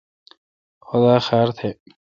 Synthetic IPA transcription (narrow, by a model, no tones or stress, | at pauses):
xʊd̪aːxaːɾt̪ʰe